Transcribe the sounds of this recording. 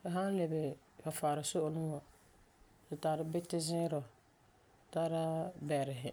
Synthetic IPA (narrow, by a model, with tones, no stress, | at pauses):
ka˨ɦa˦n˦le˨bɛ˨ | fa˨faː˨ɾɪ˨so˦ʔʊ˨nʊ˦ŋa˨ | dɪ˨taː˨ɾɪ˦bɪ˦tɪ˦zɪ˦ɾɔ˨ | taː˦ɾa˦bɛ˨ɾɪ˨ɦɪ˨